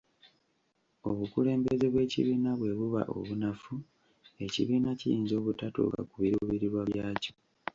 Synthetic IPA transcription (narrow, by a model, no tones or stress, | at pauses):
o̞βukule̞ːmbe̞zeβwe̞ːcḭβiːnaβwe̞βuβa̰ʔo̞̰βunafu | e̞cḭβiːnacḭjiːnzo̞ːβutatṵka̰kuβiɾuβiɾiɾwaβjaːco̥